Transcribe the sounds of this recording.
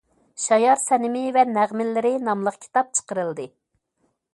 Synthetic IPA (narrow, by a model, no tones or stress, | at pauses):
ʃɑjɑɾsɛnɪmɪvɛnæʁmɪlːɪɾɪnɑmlˠəqkʲʰi̥t̪ɑp̚t͡ʃʰə̥qəɾɨlˠd̪ɨ